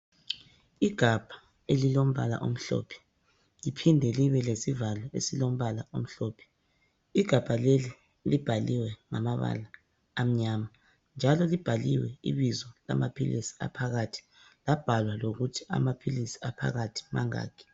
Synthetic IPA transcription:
iɡ̥ʱab̥ʱḁ | elilom̩βa̰la̰ʔo̰m̩ɬɔ̰ːpʰɛ̥ | lipʰindʱɛliβɛlesivalɔḛsilom̩βalaom̩ɬɔːpʰɛ̥ | iɡ̥ʱab̥ʱaleli | lib̥ʱaliwɛŋamaβa̰laː | m̩ɲama | nd͡ʒʱalɔlib̥ʱaliwɛḭβizɔla̰mapʰilisi̥a̰pʰaɣatʰi̥ | lab̥ʱalwaloɣutʰi̥a̰mapʰilisi̥apʰa̰ɣatʰi̥ma̰ŋa̰ːkʰi̥

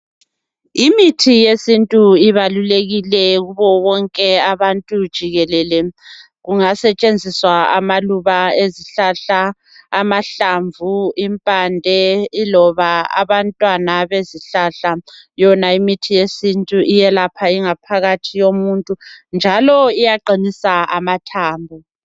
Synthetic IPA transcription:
imitʰijesintʼuiβaluleɣilɛɣuβɔwɔŋkʼɛaβantʼud̥ʒ̥ʱiɣɛlɛlɛ | ɣuŋasɛt͡ʃʼend͡zʱiswaa̰maluβaeziɬaɬaː | maɬaɱvuimpʼandʱɛilɔβaa̰βantʼwanaβeziɬaɬa | jɔnaimitʰijesintʼuʔijɛlapʰaiŋapʰaɣatʰijomuntʼund͡ʒʱalɔijaǃinisaamatʰaːmbʱɔ

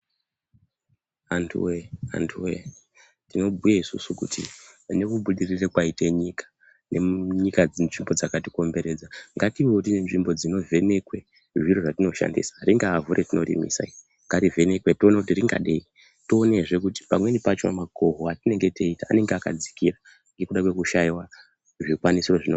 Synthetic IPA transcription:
antʰṵwea̰ntʰuwe | tino̞bʱujaisṵsukṵtḭne̞kuɓuɗirirekwaiteɲikḁ | nʔeɲikanʐimbo̞d͡zakatiko̞mbe̞ɾe̞d͡zaŋɡatiiotinenʐimbo̞d͡zino̞vʱe̞ne̞kwe̞ | ʐiroʐatino̞ʃa̰ndḭsḁriŋɡaːvuɾʔetino̞ɾḭmḭsa̰i | ŋɡarive̞ne̞kwetonakutiriŋɡa̰ɗei | toːneeʐe̞k̬uti̥pamwe̞nipat͡ʃa̰mako̞ɦoatine̞ŋɡe̞teita̰ːne̞ŋɡeakad͡zi̥kira | ŋɡe̞kuɗakwe̞kuʃaiwa | ʐikwanisiro̞ʐino

